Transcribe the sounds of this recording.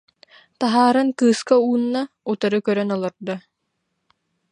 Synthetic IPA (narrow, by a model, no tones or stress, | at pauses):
t̪aɦaːɾɯnkɯːskauːnːa | ut̪aɾɯkœɾœnɔlˠaɾd̪a